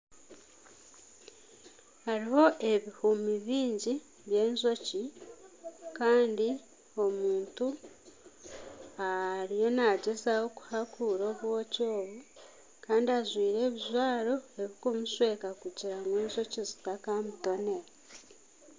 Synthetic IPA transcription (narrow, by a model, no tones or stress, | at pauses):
haɾiho̞ʔe̞βihumiβiːɲɟi | βje̞ːnzo̞ci | kaːndi | o̞muːntu | aɾijo̞naɟezawo̞ku̥hakʰuɾo̞ːβwo̞co̞ːβu | kaːndiazwiːɾe̞ːβizwaːɾo̞e̞βikumuswe̞ːkakuɟiɾamweːnzo̞cizitakamuto̞nea